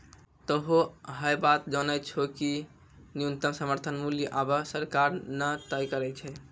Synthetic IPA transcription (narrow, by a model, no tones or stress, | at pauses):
t̪əɦoɦəjbat̪d͡ʒənət͡ʃʰoki | nijunt̪əmsəməɾt̪ʰənmuljəʔabəsəɾkaɾnət̪əjkəɾɛt͡ʃʰɛ